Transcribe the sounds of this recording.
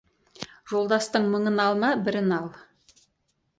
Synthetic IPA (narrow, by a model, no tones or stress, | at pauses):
ʒ̥o̞lˠd̪ɑst̪əɴməɴənɑlˠmɑbɪɾɪnɑlˠ